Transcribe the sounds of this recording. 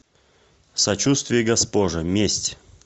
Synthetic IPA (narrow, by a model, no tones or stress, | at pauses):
sɐt͡ɕust̪vʲɪjəɡɐspoʐəmʲesʲtʲ